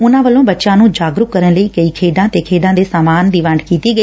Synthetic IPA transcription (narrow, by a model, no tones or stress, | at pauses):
ʊnãʋɐlõbɐt͡ʃãnũːd͡ʒaːɡɾʊkːɐɾəɽ̃lɐikɐikʰeːɖãt̪ekʰeːɖãd̪esaːmaːndɪʋãːɳɖkiːt̪iɡɐi